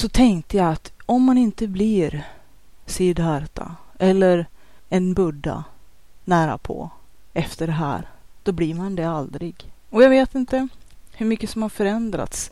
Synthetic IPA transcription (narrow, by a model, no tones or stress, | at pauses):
sɔt̪ʰɛŋkt̪əjaat̪ɔmːanɪnt̪əblɪɾ | sijəɖaɾt̪ʰa̰ʔɛlːəɾ | ɛnbɵɖːa̰ | næːɾa̰pʰɔ̰ | ɛft̪əɖɛɦæ̰ːɾ | d̪̥ɔbliɾmand̪ɛald̪ɾɪɡɔjaɡveːt̪ɪnt̪əhɵɾmʏkːəsɔmhaɾfœɾɛnd̪ɾa̰t̪s